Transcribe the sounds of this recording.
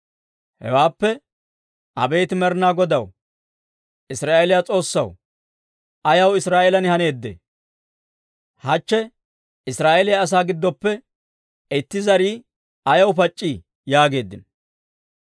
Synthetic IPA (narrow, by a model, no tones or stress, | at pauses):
hɛ̰waːpːɛ | ʔɐ̰be̞ːt̪ɪmɛɾnaːɡɔd̪ɐw | ʔɪsɾaːʔɛlɪjat͡sʼo̞ːsːɐw | ʔɐjɐwɪsɾaːʔɛlɐnɪhɐne̞ːd̪ːḛː | hɐt͡ʃːɛ | ɪsɾaːʔɛlɪjaːs̬aːɡɪd̪ːɔpːɛ | ɪt̪ːɪzɐɾiː | ɐjɐwpɐt͡ʃʼːi | jaːɡe̞ːd̪ːɪ̰n